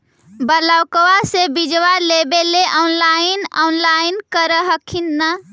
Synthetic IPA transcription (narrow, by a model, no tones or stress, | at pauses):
bəlawkəwasebid͡ʒʋalebeleʔɔnlainɔnlainkəɾəɦəkʰinːə